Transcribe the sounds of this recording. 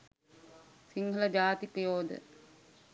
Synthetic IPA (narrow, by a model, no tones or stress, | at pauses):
siŋɡʱələd͡ʒaːt̪ipəjoːd̪ə̰